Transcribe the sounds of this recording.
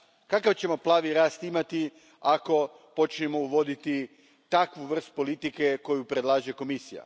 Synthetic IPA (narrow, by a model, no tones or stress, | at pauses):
kakaʋt͡ɕe̞mo̞plˠaːʋiɾaːst̪imat̪i | ako̞ | po̞t͡ʃnemo̞uʋo̞d̪it̪i | t̪akʋuʋr̩st̪̚po̞lit̪ike̞ko̞jupɾe̞d̪lˠaːʒeko̞misija̰